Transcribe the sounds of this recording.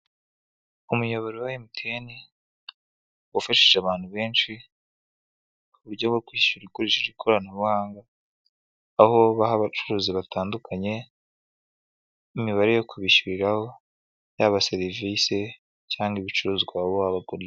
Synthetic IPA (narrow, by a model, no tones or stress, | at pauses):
umujoβoɾiwahimutʰeni | wafaʃiʒeaβaːn̥huβe̞ːnt͡ʃi | kuβuɾɟoɡokwiʃuɾikoɾiʃeɾikʰoɾanaβuhaːŋɡa | ho̞βahaβat͡ʃuɾuːziβataːndukʰaɲe̞ | imiβaɾejo̞kʰuβiʃuɾiɾaho̞ | jaːβaseɾivise | caːŋɡiβit͡ʃuɾuːzɡwaoaβaɡuɾe